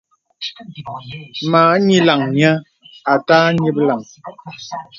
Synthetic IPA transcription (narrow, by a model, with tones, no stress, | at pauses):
maː˨˦ɲi˦la˨ŋɲə˦ | a˨taː˦ɲi˦p̚la˨ŋ